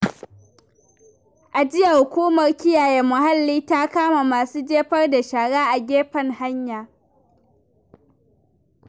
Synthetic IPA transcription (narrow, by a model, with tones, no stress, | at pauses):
ʔa˨d͡ʒɪ˦ja˨hʊ˨kʷuː˦mɐ˨rkʲɪ˦jaː˨jeː˦mʊ˨ha˦lːiː˦ta˦kaː˦ma˨maː˨suː˦d͡ʒeː˦ɸɐ˦rda˨ʃaː˨ɽaː˦ʔa˨ɡʲeː˦ɸɐ˦ŋha˦ɲjaː˨